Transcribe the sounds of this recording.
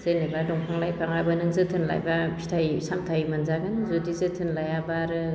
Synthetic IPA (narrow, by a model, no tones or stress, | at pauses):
z̥ɯjnebadɔŋpʰaŋlajpʰaŋabɯnɯŋzɯtʰɯnla̰jbapʰi̥tʰajsamtʰajmanzaɡanɯzodizɯtʰɯnlajabaɾɯ